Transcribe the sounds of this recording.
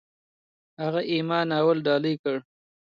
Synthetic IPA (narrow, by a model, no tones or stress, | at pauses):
haɣaʔimɑːnawalɖɑːləjkəɽ